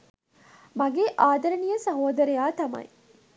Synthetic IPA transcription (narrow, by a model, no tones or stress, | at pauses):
mɐɡeːʔaːd̪ɐɾɐnijɐsɐɦoːd̪ɐɾejaːt̪ɐmɐ̰j